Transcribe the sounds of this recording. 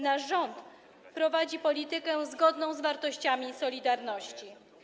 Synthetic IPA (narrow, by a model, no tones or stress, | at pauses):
naʐɔnt̪ | pɾɔvad͡ʑipɔlʲit̪ɘkɛzɡɔd̪nɔ̃w̃zvaɾt̪ɔɕt͡ɕamʲisɔlʲid̪aɾnɔɕt͡ɕi